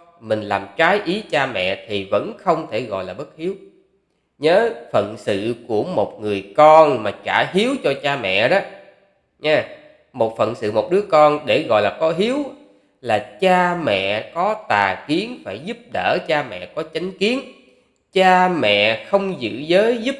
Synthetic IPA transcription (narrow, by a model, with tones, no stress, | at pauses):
mï˨˩ŋ̟laː˨˩mt͡ɕaː˨˦jʔi˨˦t͡ɕaː˧mɛ̰˧˨t̪ʰi˨˩və̰˧˥nxə˧wŋ͡mt̪ʰe˧˩ɣɔ̰˧˨jlaː˨˩ɓə˦˥t̚hi˨˦əw | ɲəː˨˦fə˧˨nsɨ̰˧˨ku˧˩əmo˨˩t̚ŋɨ˨˩əjkɔ˧nmaː˨˩t͡ɕaː˧˩ɦi˨˦əwt͡ɕɔ˧t͡ɕaː˧mɛ̰˧˨ɗɔ˨˦ | ɲaː˨˦ | mo˨˩t̚fə̰˧˨nsɨ̰˧˨mo˨˩t̚ɗɨ˨˦əkɔ˧nɗe˧˩ɣɔ̰˧˨jlaː˨˩kɔ˨˦ɦi˨˦əw | laː˨˩t͡ɕaː˧mɛ̰˧˨kɔ˨˦t̪aː˨˩ki˨˦ənfaː˧˩jzu˦˥p̚ɗəː˧˩t͡ɕaː˧mɛ̰˧˨kɔ˨˦t͡ɕa˨˦jŋ̟ki˨˦ən | t͡ɕaː˧mɛ̰˧˨xə˧wŋ͡mzɨ̰˧˨zəː˨˦jzu˦˥p̚